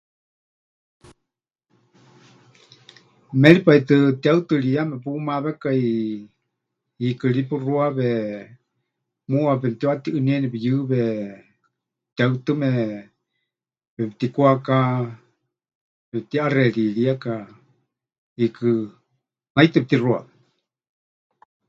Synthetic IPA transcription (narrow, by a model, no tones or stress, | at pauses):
mɛlipait̪ɨt̪iaɨt̪ɨliamɛpumaβɛkai | ikɨlipuruaβɛ | muapɛmt̪iwat̪iʔɨniɛnipɛjɨːβɛ | t̪iaɨt̪ɨmɛ | pɛpt̪ikuaka | βɛp̚t̪iarɛɺiɺiaka | ikɨ | najt̪ɨp̚t̪irua̰βɛ